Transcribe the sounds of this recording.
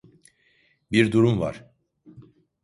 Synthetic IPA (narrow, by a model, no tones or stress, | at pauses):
biɾd̪uɾumva̰ɾ̥